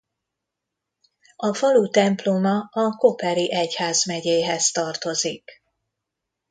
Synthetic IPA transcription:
ɒfɒlut̪ɛmplomɒɒko̞pɛɾiʔɛchaːzmɛɟeːɦɛst̪ɒrt̪o̞zik

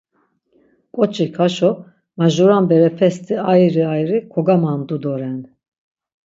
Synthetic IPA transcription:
kʼɔt͡ʃʰʼikʰaʃɔ | maʒuɾambɛɾɛpʰɛst̪ʰʼiajɾiajɾikʰɔɡamand̪ud̪ɔɾɛn

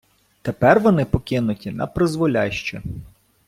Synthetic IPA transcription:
t̪epɛrʋɔnɪpɔkɪnʊtʲinɐ̰pɾɪzʋɔlʲɑʃt͡ʃɛ

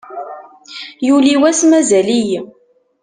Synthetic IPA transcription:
juliwæsmæzælij

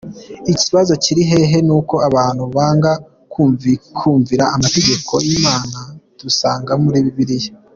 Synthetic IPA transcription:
iciβazo̞ciɾiɦe̞ɦe̞nuːko̞aβaːn̥huβaːŋɡa | kuvikʰuːɱviɾaamate̞ɟe̞ko̞jimaːnad̥usaːŋɡamuɾiːβiβiɾije

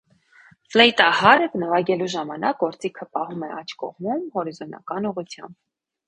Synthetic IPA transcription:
flɛjt̪ɑhɑɾɛvnəvɑɡɛluʒɑmɑnɑk̚ɡɔɾt͡sikʰəpɑhumɛʔɑt͡ʃʰkɔ̰ʁmumhɔɾizɔnɑ̰kɑnuʁut͡sʰjɑ̰mb̚

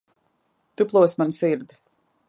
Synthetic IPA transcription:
t̪uplˠuɔsmansiɾd̪

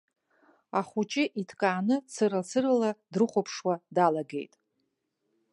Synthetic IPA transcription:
aχʷut͡ʃʼɪʔitʰkʼaːnɨt͡sʰɨɾat͡sʰɨrɨladrɨχʷopʰʂwadalaɡe̞̰jtʼ

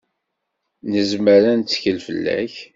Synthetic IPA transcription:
nəzməɾænt͡sːçəlfəlːæ̰ç

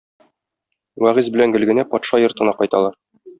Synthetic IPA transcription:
wæʁizbɘ̆læŋɡɘ̆lɡɘ̆næpɒt̪ʃɑjŏɾt̪ɤ̆nɑqɒjt̪ɑlˠɑɾ

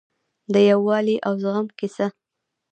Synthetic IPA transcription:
d̪əjawːɑliʔawzɣamkɪsa

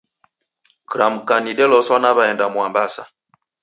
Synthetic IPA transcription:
kɾamukanidɛlɔsɔnaβaɛndamwambasa̰

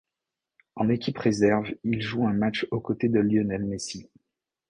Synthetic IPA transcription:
ɑ̃nekʲipχezɛʁvilʒuɛ̃mat͡ʃokot̪ed̪əljɔnɛlmesi

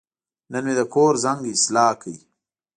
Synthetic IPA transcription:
nənmed̪əkʰoːɾzaŋɡislaːkəi

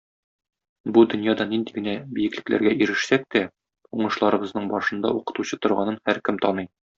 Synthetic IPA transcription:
bud̪ɵ̆njɑd̪ɑnind̪iɡɘ̆næbijɘ̆klɘ̆klæ̰ɾɡæʔiɾɘ̆ʃsæk̚t̪æ | uɴɤ̆ʃlˠɑɾɤ̆bɤ̆znɤɴbɒʃɤ̆nd̪ɑ̰uqɤ̆t̪uɕɤt̪ŏɾʁɑ̰nɤnhæɾkɘmt̪ɒnɤj

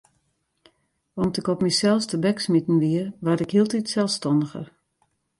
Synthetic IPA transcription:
ɔmtɪkɔpmisɛlˠfstəbɛksmitn̩ʋiəʋatɪkɦiəlˠtitsɛlˠfstɔndəɣə̰r

